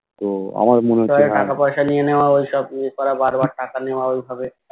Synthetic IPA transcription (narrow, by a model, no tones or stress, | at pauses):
t̪oa̰mad̪muneɔeʈakapɔjʃanijeneoaojʃɔbnikɔɾabaɾbaɾʈakaneoaojbʱabe